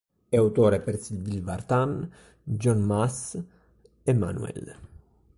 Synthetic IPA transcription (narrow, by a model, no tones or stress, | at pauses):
ewt̪oːɾepeɾsilvilvaɾt̪an | d͡ʒɔnmas | ema̰nṵɛ̰l